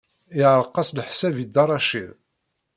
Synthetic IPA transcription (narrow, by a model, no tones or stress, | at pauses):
ɪʕəɾˤqːɑslħsævid̪ɑɾˤɑʃiɾ